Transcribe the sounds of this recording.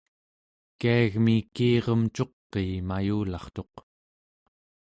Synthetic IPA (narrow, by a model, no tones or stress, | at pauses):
kiaɣmikiːʁʌmt͡ʃo̞qːeːmajuːlɑχt̪o̞q